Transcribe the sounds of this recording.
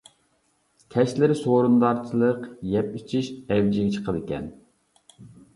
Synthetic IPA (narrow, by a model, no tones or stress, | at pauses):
kʲʰɛʃlɪɾɪsoɾund̪ɑɾt͡ʃʰilˠəqjɛpit͡ʃʰiʃɛwd͡ʒɪɡʲɛt͡ʃʰə̥qʰəd̪ɪkʲɛ̰n